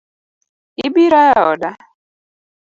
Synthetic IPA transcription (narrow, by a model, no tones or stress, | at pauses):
ibiɾajaɔ̰da